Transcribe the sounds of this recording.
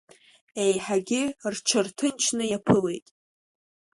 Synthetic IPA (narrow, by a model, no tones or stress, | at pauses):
ejħaɡʲɪrt͡ʃʰɨrtʰɨnt͡ʃʰnɨjapʰɨle̞jtʼ